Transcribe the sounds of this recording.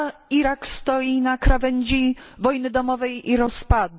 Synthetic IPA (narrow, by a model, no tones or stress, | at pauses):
iɾakst̪ɔjinakɾavɛɲd͡ʑivɔjnɘd̪ɔmɔvɛjiɾɔspad̪